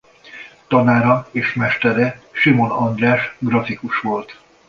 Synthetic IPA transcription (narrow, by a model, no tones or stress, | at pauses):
t̪ɒnaːɾɒeːʃmɛʃt̪ɛɾɛʃimo̞nɒnd̪raːʃɡrɒfikuʃʋo̞lt̪